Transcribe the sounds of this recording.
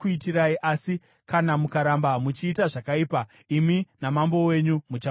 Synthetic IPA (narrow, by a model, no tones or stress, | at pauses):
kuitiɾaiʔasi | kanamukaɾambamut͡ʃiːtaʐakaiːpa | iminamambo̞we̞ɲumut͡ʃa